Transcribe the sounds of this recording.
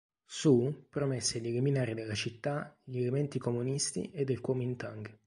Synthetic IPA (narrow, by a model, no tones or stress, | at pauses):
supɾomesːeʎeliminaːɾid̪elːat͡ʃit̪ːaʎelemɛnt̪ikomunist̪ḭed̪ːelkwɔːmint̪aŋɡ